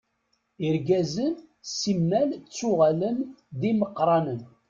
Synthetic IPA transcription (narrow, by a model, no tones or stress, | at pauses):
iɾɡæzən | simːælt͡sːʊʁæləmðiməqːɾˤɑnən